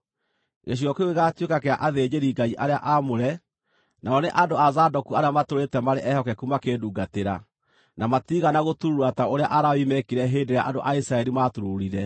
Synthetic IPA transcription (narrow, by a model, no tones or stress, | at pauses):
ɣḛɕ̬iɔkeoɣeɣaːtwekakeaʔaðeːd͡ʒeɾiːɡaiʔaɾeaʔamoɾɛ | naɔneʔadoazadɔkuaɾeamatoɾetɛmaɾeʔɛhɔkɛkumakeːduːɡateɾa | namatiɣanaɣotuɾuɾataoɾeaʔaɾawimɛkiɾɛɦeːndeɾea̰ʔadoʔaisɾaɛɾimatuɾoɾiɾɛ